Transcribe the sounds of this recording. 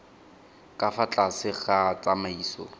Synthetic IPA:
kʼafat͡ɬʼasɪχat͡sʼamaiːsɔ

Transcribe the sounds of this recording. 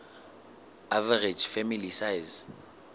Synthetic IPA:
avɛred͡ʒfɛmilisajz

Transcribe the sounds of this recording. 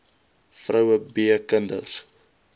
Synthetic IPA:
frəwəbiəkəndə̰r̥

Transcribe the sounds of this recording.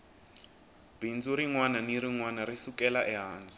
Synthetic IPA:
bind͡zuɾiŋwananiɾiŋwanaɾisukɛlaʔɛɦaːnd͡zi

